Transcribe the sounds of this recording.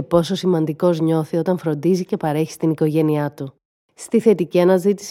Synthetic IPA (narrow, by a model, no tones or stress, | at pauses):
epo̞so̞simɐnd̪iko̞zɲo̞θio̞t̪ɐɱfɾo̞nd̪izice̞pɐɾe̞çi̥st̪iniko̞ʝe̞niɐt̪u | st̪iθe̞t̪iciɐnɐzit̪i̥s